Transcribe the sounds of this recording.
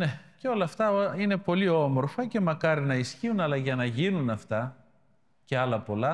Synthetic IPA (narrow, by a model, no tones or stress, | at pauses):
ne̞ceo̞lɐft̪ɐine̞po̞lio̞mo̞ɾfɐce̞mɐkɐɾinɐisçiunɐlɐʝɐnɐʝinunɐft̪ɐ | ce̞ɐlɐpo̞lɐ